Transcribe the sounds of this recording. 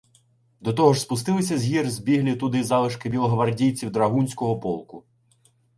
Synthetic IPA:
d̪ɔt̪ɔɦɔʒspʊst̪ɪlˠɪsʲɐzʲɦʲirzbʲiɦlʲit̪ʊd̪ɪzɑlˠɪʃkɪbʲilˠɦɔʋɐrdʲijt͡sʲiwd̪ɾɐɦunʲsʲkɔɦɔpɔlˠkʊ

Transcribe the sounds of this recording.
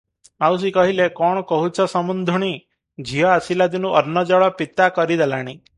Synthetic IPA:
maws̬ikɔɦilekɔɽ̃ɔkɔɦut͡ʃʰɔsɔmund̪ʱuɽ̃i | d͡ʒʱiɔasilad̪inuʔɔɾnɔd͡ʒɔɭɔpit̪akɔɾid̪elaɽ̃i

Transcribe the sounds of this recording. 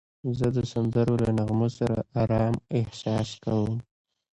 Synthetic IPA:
zəd̪əsand̪əɾolanaɣmosaɾa̰ʔɑɾɑmɪhsɑskawəm

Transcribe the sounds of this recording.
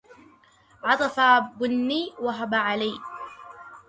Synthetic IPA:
ʕɑt̪ˤɑfabʊnːiːwaɦabaʕalaj

